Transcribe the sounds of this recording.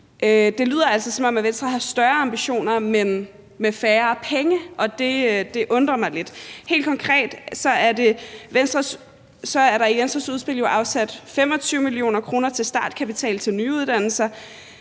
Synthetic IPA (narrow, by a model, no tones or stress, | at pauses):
ʔød̥e̝lyːð̰ˠɐælsɒsɒ̥̽mɒ̽mæʋensd̥ʁɐhɑ̈sd̥ɶɐɐɑ̈mb̥iɕo̝̰ːnɐmen | mefæːɐpʰeŋəʔɒ̽d̥e̝ød̥e̝ʔɔ̽nd̥ʁɐmɑ̈ɪle̝d̥he̝̰ld̥̚kʰɒ̽ŋkʰʁɛ̰ːd̥sɒ̽æɐde̝ʋensd̥ʁɐs | sɒ̽æɐɾɑ̈iʋensd̥ʁɐsuð̞ˠsb̥e̝l̰jo̝ʔɑ̈ʊsæd̥fem̰ɒ̽t͡sʰyːʊmilio̝̰ːnɐkʰʁo̝ːnɐt͡sʰe̝lsd̥ɑ̈ːd̥kʰæpit͡sʰɛ̰ːlt͡sʰe̝lnyuð̞ˠd̥æn̰l̩sɐ